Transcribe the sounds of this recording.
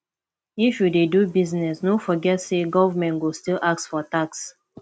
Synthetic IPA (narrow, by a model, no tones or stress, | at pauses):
ifjudedubiznɛsnofɔɡɛtseɡɔvəmɛ̃ntɡostilʔak̚sfɔtaks